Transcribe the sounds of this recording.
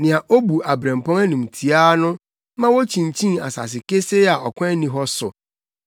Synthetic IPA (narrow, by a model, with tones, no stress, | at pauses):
nɪ̃˨a˨ʔo˦bu˨ʔa˨bɾɛ̃˨m˨pɔ̃˦ŋæ˦nũ˨mtʰi˨aː˦nʊ̃˦ | mã˦wo˦t͡ɕʰĩ˨n˨t͡ɕʰĩ˦ŋa̰˨sa̰˨s̬ɪ˨ke˦se˦a˨ɔ˨kʷʰã˦nĩ˦ɦɔ˦sʊ̰˨